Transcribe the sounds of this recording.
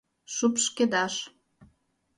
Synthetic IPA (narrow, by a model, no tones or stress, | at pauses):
ʃupʃked̪ɑʃ